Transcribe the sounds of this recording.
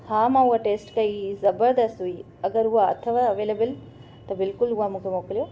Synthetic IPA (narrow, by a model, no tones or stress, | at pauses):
haːmãːuɦɐʈeːsʈkɐizɐbəɾd̪ɐst̪ɦui | ɐɡɐɾuɦaɐ̰t̪ʰɐʋaɐʋeːlɐbɪl | t̪ɐbɪlkʊlɦuɦamũːkʰemoːklijoː